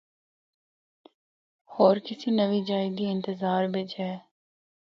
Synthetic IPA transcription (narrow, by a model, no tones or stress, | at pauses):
hɔːɾkɪsinɐʋid͡ʒaːɪd̪iɪ̃nt̪ɪzaːɾbed͡ʒɛː